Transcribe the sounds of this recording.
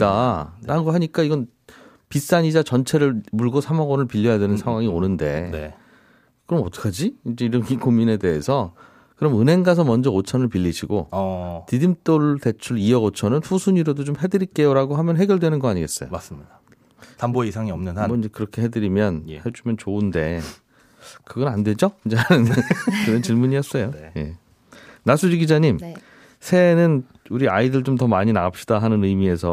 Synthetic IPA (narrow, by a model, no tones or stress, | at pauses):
t͈aɾaɯnɡʌɦaɲik͈aiɡʌn | pis͈aɲid͡ʑat͡ɕʌnt͡ɕʰe̞ɾɯɭmuɭɡosʰamaɡʌnɯɭpiʎːʌjadwe̞nɯnsʰaŋɦwaŋionɯnde̞̰e | kɯɾʌmʌt͈ʌ̥kʰad͡ʑiind͡ʑeiɾʌnɡiɡomine̞de̞esʰʌ | kɯɾʌmɯnɦe̞ŋɡas̬ʰʌmʌnd͡ʑʌot͡ɕʰʌnɯɭpiʎːiɕʰiɡotidimt͈oɭte̞t͡ɕʰuɭiʌɡot͡ɕʰʌnɯnɸusʰuɲiɾodot͡ɕomhe̞dɯɾiɭk͈e̞joɾaɡoɦamjʌnɦe̞ɡjʌɭdwe̞nɯnɡʌaɲiɡe̞s͈ʌjo̰mas͈ɯmɲida | tamboeisʰaŋiʌmnɯnamʌind͡ʑekɯɾʌkʰe̞ɦe̞dɯɾimjʌnhet͡ɕʰumjʌnt͡ɕoɯnde̞ | kɯɡʌɾandwed͡ʑoind͡ʑanɯnkɯɾʌnt͡ɕiɭmuɲijʌs͈ʌjoje̞̰ | nasʰud͡ʑiɡid͡ʑaɲim | sʰe̞nɯn | uɾiaidɯɭt͡ɕomt̬ʌmaɲinaap̚ɕ͈idaɦanɯnɯmie̞sʰʌ